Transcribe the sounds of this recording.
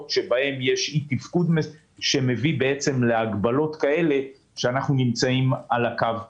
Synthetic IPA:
tʃe̞bahe̞mje̞ʃit̪ifkud̪me | ʃe̞me̞vibe̞et͡se̞mle̞aɡbalo̞t̪kae̞le̞ | ʃeanaχnunimt͡saimalakav

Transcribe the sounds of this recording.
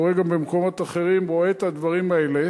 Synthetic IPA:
oʁeɡambemko̞mo̞t̪aχe̞ʁimʁo̞et̪ad̪vaʁimaele

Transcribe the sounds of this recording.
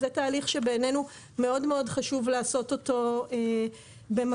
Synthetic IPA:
zetaːliχʃebeːne̞nu | me̞o̞dmeo̞dχaʃuvlaːso̞to̞to̞e | bem

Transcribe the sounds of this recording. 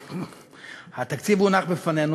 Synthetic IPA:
hat̪akt͡sivunaχbefanenu

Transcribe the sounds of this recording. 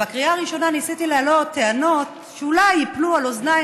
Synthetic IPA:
bakʁiaːʁiʃo̞nanisitilealo̞tt̪ːeano̞t | ʃeulajiplualozna

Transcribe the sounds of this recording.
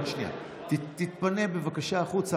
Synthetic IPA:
nʃnia̰ | t̪it̪it̪pane̞be̞vakaʃaːχut͡sa

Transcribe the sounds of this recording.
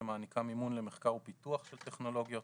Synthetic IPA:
emaːnikʰamimunlemeχkaʁupituaχʃelt̪eχno̞lo̞ɡjo̞t

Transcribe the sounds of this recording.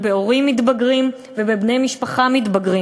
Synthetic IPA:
beo̞ʁimːit̪baɡʁim | vebebnejmiʃpaχamit̪baɡʁi

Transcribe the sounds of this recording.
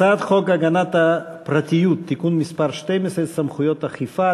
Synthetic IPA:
ad̪χokɐɡɐnat̪ɐpɾɐt̪ʲijut̪ʰːikunmispaɾʃt̪ɛjmɪsɛt̪sɐmχʊjot̪ɐχifa

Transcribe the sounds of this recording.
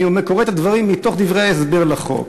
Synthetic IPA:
omekoʁet̪ad̪vaʁimːit̪o̞χd̪ivʁeaesbeʁlaχo̰k

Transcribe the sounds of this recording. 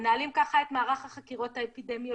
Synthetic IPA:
naːlimkaχae̞t̪maːʁaχhaχakiʁo̞thaepidemjo

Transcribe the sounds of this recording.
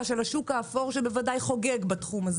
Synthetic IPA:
ʃelaʃukaːfo̞ʁʃebevadajχo̞ɡeɡbatχumaz

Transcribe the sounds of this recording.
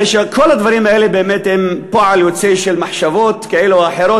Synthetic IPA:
eʃekʰolad̪vaɾimaʔeːlebeemet̪hempoʕaljot͡seʃelmaħʃavot̪kaʔeluaħeɾo

